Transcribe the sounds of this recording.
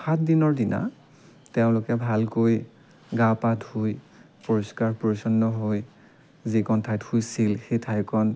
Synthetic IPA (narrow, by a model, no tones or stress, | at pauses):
xat̚dinɔɹdina̰ | tɛʊ̃lʊkɛbʱalkoj | ɡapathuj | poɹɔskaɹpoɹisɔnːɔɦoj | zikɔntʰajthujsilxetʰajkɔn